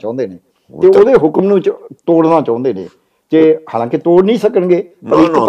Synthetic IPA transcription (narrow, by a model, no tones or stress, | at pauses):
t͡ʃãːʊ̃nd̪eːneː | t̪eːoːd̪eːɦʊkmnũːt͡ʃt̪oːɽnaːt͡ʃãːnd̪eːnḛː | t̪eːhaːlãːkit̪oːɽnĩːsəkənɡeːpəɾɪk